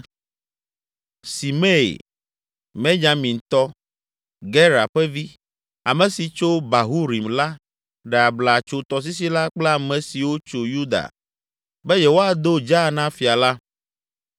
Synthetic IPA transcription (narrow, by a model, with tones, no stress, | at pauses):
si˨me˦ḛ˨ | mẽ˦ɲa˨mĩ˨n˨t̪ɔ˦ | ɡɛ˦ɾa̰˨ɸɛ˦vi˦ | a˨mɛ̃˨si˨t͡ʃo˦ba˨ɦu˦ɾi˨mla˦ | ɖɛ˨a˨bla˨t͡ʃo˨t̪ɔ˨s̬i˦s̬i˦la˦k͡plɛ˦a˨mɛ̃˨si˨wo˦t͡ʃo˨ju˦d̪a̰˨ | bɛ˦jɛ˨wo˦a˨d̪o˦d͡ʒa˦˨nã˦fi˨a˨la˦